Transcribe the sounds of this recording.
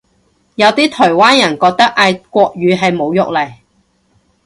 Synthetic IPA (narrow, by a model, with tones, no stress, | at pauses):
jɐ˨˧wt̪iː˥t̪ʰɔː˨˩jwaː˥njɐ˨˩nkɔː˧k̚t̪ɐ˥k̚ʔaː˧jkʷɔː˧k̚ɥyː˨˧ɦɐ˨jmo˨˧wjʊ˨k̚lɐ˨˩j